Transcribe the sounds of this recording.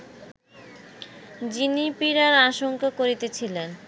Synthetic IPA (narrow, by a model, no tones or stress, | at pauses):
d͡ʑinipiɾaɾaʃoŋkakoɾit̪et͡ɕʰilen